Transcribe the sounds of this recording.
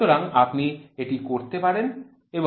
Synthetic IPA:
oɾaŋapnieʈikoɾt̪epaɾen | ebo

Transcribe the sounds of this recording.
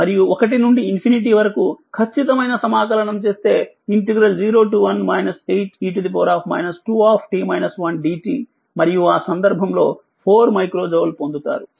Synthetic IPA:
mɐɾijuɔkɐʈ̬inuɳɖiːnpʰiniʈ̬iʋɐɾɐkukʰɐt͡ʃʰːit̪ɐmɐjnɐsɐmaːkɐɾɐɳɐmt͡ʃe̞ːst̪e̞ː | iɳʈɐɡɾɐld͡ʒiːɾo̞ːʈ̬uːʋɐnmɐjnɐsejt͡ʃiːʈ̬ud̪ip̬ɔːɾaːpʰmɐ̰jnɐsʈuːaːpʰʈiːmɐjnɐsʋɐnɖiːʈiː | mɐɾijuaːsɐnd̪ɐɾbʱɐmlo̞ː | pʰoːɾmɐjkɾo̞ːd͡ʒɐʋlpond̪ut̪a̰ːɾu

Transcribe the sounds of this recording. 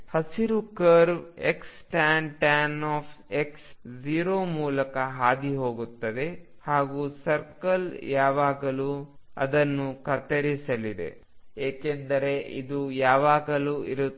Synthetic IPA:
hɐsiɾukɐɾbeksʈaːnʈanaːpʰeksd͡ʒiːɾoːmuːlɐkɐɦaːd̪iɦo̞ːɡut̪ːɐd̪e̞ | haːɡusɐɾkɐljaːʋaːɡɐluɐ̰d̪ɐnːukɐt̪ɐɾisɐlid̪e̞̰ | eːkend̪ɐɾe̞ʔḭd̪ujaːʋaːɡɐluiɾu

